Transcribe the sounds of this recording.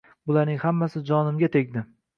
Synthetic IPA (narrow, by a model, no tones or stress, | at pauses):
bʊlaɾnɪŋhamːasɪd͡ʒɒnɪmɡʲat̪ʰekʲd̪ɪ